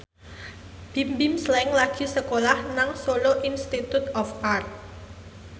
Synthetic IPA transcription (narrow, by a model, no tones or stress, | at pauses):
b̥i̤mbimslɛɪŋlaɡ̥i̤səkolahnaŋsoloʔinst̪it̪ut̪ɔfart̪̚